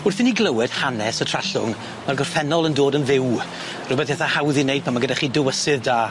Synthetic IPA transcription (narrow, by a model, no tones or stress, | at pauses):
ʊrθɪniɡlˠəwɛd̥hanɛsɔtʰr̥aɬʊŋ | marɡɔrfɛnɔlˠəndoːdənvɪw | rʊbɛθɛθahawðinejd̚pʰamaɡədaχiːdɪwəsɨðdaː